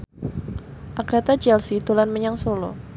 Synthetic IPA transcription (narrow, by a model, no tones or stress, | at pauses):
ʔaɡ̥a̤t̪ad͡ʒɛlsit̪ulanməɲaŋsolɔ̰